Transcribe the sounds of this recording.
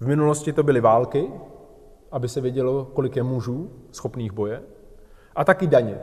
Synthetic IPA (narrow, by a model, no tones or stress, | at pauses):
vmɪnulo̞scɪt̪o̞bɪlɪvaːlkɪ | ʔabɪsɛvjɛɟɛlo̞ko̞lɪkjɛmuʒuːsxo̞pniːɣbo̞jɛ | ʔat̪akɪdaɲɛ̰